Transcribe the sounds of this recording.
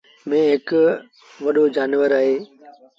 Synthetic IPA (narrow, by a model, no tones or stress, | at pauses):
mẽɦɪkʊ | ʋɐɗod͡ʑaːnʋəɾaːɦeː